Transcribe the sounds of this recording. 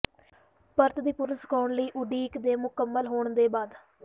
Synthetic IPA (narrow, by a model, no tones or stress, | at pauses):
pəɾt̪d̪iːpʊɾənsə̥koːɳliːʔʊɖiːkd̪eːmʊkəmːəlɦoːɳd̪eːbaːd̪